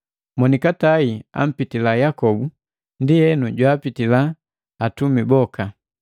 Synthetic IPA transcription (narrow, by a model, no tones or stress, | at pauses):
mɔnikataia̰m̩pitilajakɔbu | ndiɛnuɟwaːpitilaː | tumibɔka